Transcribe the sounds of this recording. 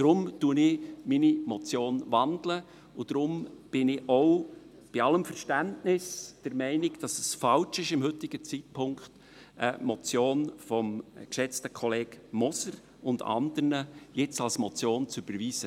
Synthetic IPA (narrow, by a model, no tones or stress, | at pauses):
d̥ɾʊmtuːənɪminimɔt͡sjoːnʋɑndlə | ʊd̥ɾʊmb̥ɪnɪɔʊ | b̥iɑləmfəɾʃtæntnɪsd̥əɾmɛɪnɪd̥ɑsəsfɑlt͡ʃɪʃɪmhɵtɪɡ̥ət͡sit̚pʰʊŋkt | ʔəmɔt͡sjoːnfɔmkʃɛt͡stəkʰɔleːɡ̥mɔsəɾ | ʊndɑ̰nd̪əɾnəjɪt͡sɑlsmɔt͡sjoːnt͡syb̥əɾʋiːz̥ə